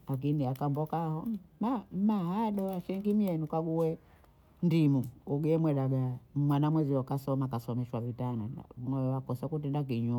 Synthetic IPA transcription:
lak̬iniakambɔkahɔmamahaɗɔaʃɛŋɡimijɛnukaɡuwɛ | ndimuuɡɛɛmwɛɗaɡamwanamwɛziɔkasɔmakasɔmɛʃwavitanana̰unɔjɔwakɔsakutɛndak̬iɲu

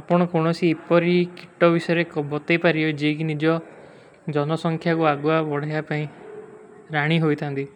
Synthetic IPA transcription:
apɔɽ̃ɔkoɽ̃ɔsiepɔɾikiʈɔbisɔjɔɾekɔbɔt̪epaɾiɔd͡ʒek̬inid͡ʒɔ | d͡ʒɔnɔsɔŋkʰjakuaɡuabɔɽ̤ajapaĩ | ɾaɽ̃iɦojt̪ʰant̪i

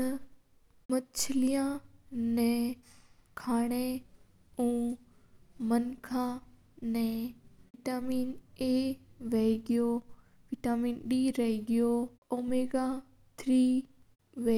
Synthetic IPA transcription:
ɐ | mɐt͡ɕʰɪlijãnɛ̃ | kʰaːɽ̃e | ũː | mɐnkʰã | nɛ̃ːʋiʈaːmiːneːʋeiɡijo | ʋiʈaːmiːnɗiːɾɐɦiɡijo | oːmeːɡa | t̪ʰɾiː | ʋe

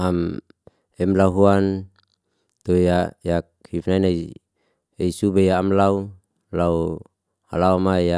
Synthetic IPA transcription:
am | ɛmlauɦuan | t̪ojajak̚hifnainai | eisubejaːmlau | lau | a̰laumaja

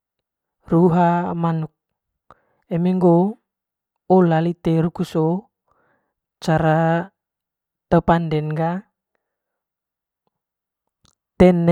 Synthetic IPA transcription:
ruɦamanuk̚ | ɛmeŋɡo | olalit̪eɾukuso | t͡ʃaɾa | t̪əpandɛnɡa | t̪ɛn

